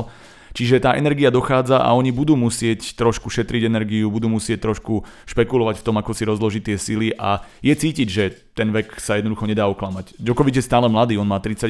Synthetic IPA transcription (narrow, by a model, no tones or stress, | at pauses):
t͡ʃiʒɛt̪aːʔɛnɛɾɡiad̪ɔxaːd͡zaʔa̰ɔɲibud̪uːmusɪɛct̪ɾɔʃkuʃɛt̪ɾiɟɛnɛɾɡiubud̪uːmusɪɛc̚t̪ɾɔʃkuʃpɛkulɔʋacft̪ɔmakɔsiɾɔzlɔʒiːt̪ɪɛsiliʔajɛt͡siːciɟʒɛt̪ɛnʋɛksajɛd̪nɔd̪uxɔɲɛd̪aːɔklamacd͡ʒɔkɔʋid͡ʒjɛst̪aːlɛmlad̪iːɔnmaːt̪ɾit͡sa